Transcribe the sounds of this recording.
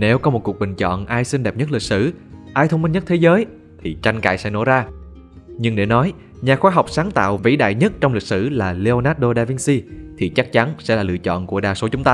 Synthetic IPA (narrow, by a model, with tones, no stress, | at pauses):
ne˨˦wkɔ˨˦mo˨˩t̚ku˨˩ək̚ɓï˨˩ŋ̟t͡ɕɔ̰˧˨nʔaː˧jsi˧nɗɛ˨˩p̚ɲə˦˥t̚li˨˩k̚sɨ̰˧˩ʔaː˧jt̪ʰə˧wŋ͡mmï˧nɲə˦˥t̚t̪ʰe˨˦zəː˨˦j | t̪ʰi˨˩t͡ɕa˧jŋ̟ka̰ː˧˨jsɛ̰˧˥no̰˧˩zaː˧ | ɲɨ˧ŋɗe˧˩nɔ˨˦j | ɲaː˨˩xwaː˧˦ɦɔ˨˩wk͡p̚saː˨˦ŋt̪a̰ː˧˨wvḭ˧˥ɗa̰ː˧˨jɲə˦˥t̚t͡ɕɔ˧wŋ͡mmlï˨˩k̚sɨ̰˧˩laː˨˩le˧o˧naː˦˥t̚ɗo˧ɗaː˧vi˧nsi˧t̪ʰi˨˩t͡ɕa˦˥k̚t͡ɕa˨˦nsɛ̰˧˥laː˨˩lɨ̰˧˨ət͡ɕɔ̰˧˨nku˧˩əɗaː˨˩so˨˦t͡ɕʊ˨˦ŋ͡mt̪aː˧